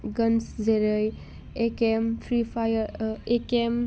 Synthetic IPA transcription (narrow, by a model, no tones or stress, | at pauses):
ɡʌnszeɾəj | ekempʰɾipʰajəɾekem